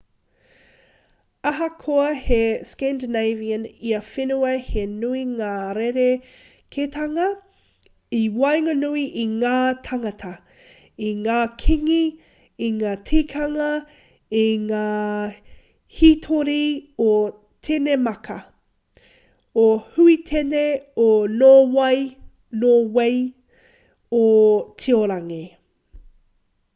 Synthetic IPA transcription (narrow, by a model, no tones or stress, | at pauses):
ɐɦɐkʰoɐheskɛændənejviəniɐfenuɐhenuiŋaːɾeɾe | kʰet̪ʰɐŋɐ | iwɐjŋɐnuiʔiŋaːt̪ʰɐŋɐtʰɐ | iŋaːkʰiŋi | iŋaːtʰikʰɐŋɐ | iŋaː | hitʰoɾio | tʰenemɐkʰɐ | ohʉitʰeneonoːwɐj | nowej | otʰioɾɐŋe